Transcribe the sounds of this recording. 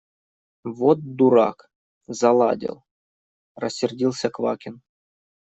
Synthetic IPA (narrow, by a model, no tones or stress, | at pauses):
vot̪̚d̪uɾa̰k | zɐlˠa̰dʲɪ̰lˠ | rɐsʲːɪrdʲilˠsʲɐkva̰kʲɪn